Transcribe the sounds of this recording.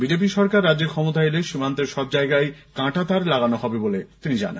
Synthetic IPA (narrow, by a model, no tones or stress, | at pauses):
bid͡ʑep̬iʃɔɾkaɾːadːd͡ʑeɾkʰɔmot̪aeleʃimant̪eɾʃɔb̚d͡ʑaeɡajkãʈat̪aɾlaɡanoɦɔbebolet̪inid͡ʑa̰na̰nn